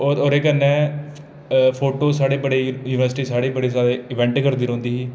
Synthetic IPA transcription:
ooːɾeːkənɛ̃ː | pʰoːʈoːsaːɽeːbəɽeːjuːnʋəɾsʈiːsaːɽeːbəɽeːsaːɾeːɪʋɛ̃ːɳʈkəɾd̪iːɾõːnd̪iːɦiː

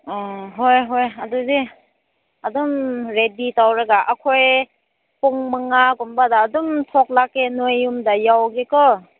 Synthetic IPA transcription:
ɦojɦojadudi | adumɾeditawɾaɡaʔakʰoj | pɔŋmɯŋakumbadaːdumtʰɔk̚lakenojumdajawɡekɔ

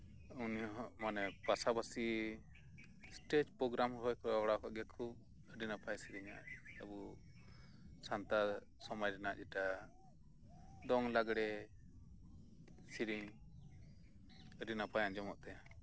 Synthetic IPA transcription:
unjɔʔmanɛpasabasi | sʈet͡ʃpɾɔɡɾamɦɔjkɔɾawɽakɔʔɡɛkʰub̚ | əɖinapʰajsiɾiɲa̰ʔəbu | sant̪a | sɔmɔjɾɛnaʔd͡ʒɛʈa | d̪ɔŋlaɡɽɛ | siɾiɲ | əɾinapʰajãʔd͡ʒɔmɔʔt̪ɛjã

